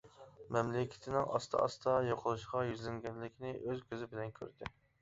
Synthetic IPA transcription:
mɛmlɪkʲʰɪ̥t̪ʰɪnɪŋʔɑ̰st̪ʰɑ̰ɑ̰st̪ɑjoqʰəlˠuʃqɑjyzlɪŋɡʲɛnlɪkʲnɪʔøzkʲøzɪbɪlɛnkʲʰø̰ɾd̪ɪ

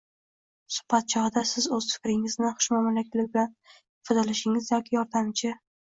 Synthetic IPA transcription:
sʊ̥hb̥at̪̚t͡ʃʰɒhɨd̪asɪzɵz̥fɪ̥kʲɾɪŋɪznɪχʊ̥ʃmɒmɪlɪkʲlɪbɪlan | fɪd̪ɪlɪʃɪŋɪzjɒkʲʰɪjɒɾd̪amt͡ʃʰɪ

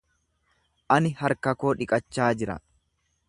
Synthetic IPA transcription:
ʔɐnɪhɐɾkɐkoːᶑɪkʼɐt͡ʃːaːd͡ʒɪɾɐ̰

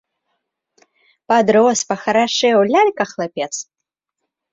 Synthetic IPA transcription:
pad̪ɾɔspɐxɐɾaʂɨjɛwlʲalʲkɐxlˠapʲɛt̪s

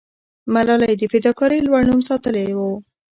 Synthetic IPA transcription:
malɑlajd̪əfɪd̪ɑkɑɾəjlwaɽnumsɑt̪əlewo

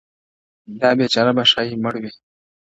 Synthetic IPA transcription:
d̪ɑːbet͡ʃaːɾabaʃaːiməɽwi

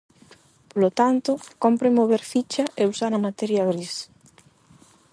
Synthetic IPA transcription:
polot̪ant̪ʊkompɾemoβeɾfit͡ʃɐʔeusaɾɐmat̪ɛɾjaβɾis

